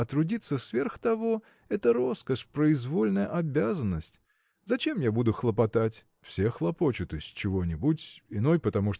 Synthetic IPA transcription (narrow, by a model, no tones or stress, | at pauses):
ɐt̪ɾʊdʲit̪sːəsvʲe̞rxt̪ɐvo̞ | ɛt̪əɾo̞skəʂpɾəɪzvo̞lʲnəjəʔɐbʲazənːəsʲtʲ | zɐt͡ɕe̞mjabud̪ʊxlˠəpɐt̪atʲ | fsʲe̞xlˠɐpo̞t͡ɕʊt̪osʲtʲt͡ɕɪvonʲɪbutʲɪno̞jpət̪ɐmuʂt̪